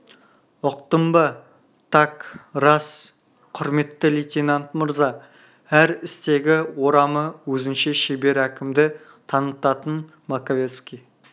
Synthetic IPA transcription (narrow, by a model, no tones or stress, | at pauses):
ʊq̚t̪əmbə | t̪ʰɑkrɑs | qʰʊɾme̞t̪ːɪlit̪ʲenant̪məɾzɑ | æɾɪst̪e̞ɡʲɪwo̞ɾɑməwɵzɪnʃeʃebe̞ɾækʲɪmd̪ɪ | t̪ʰɑnət̪ɑt̪ən | mɑkovʲe̞t̪skʲij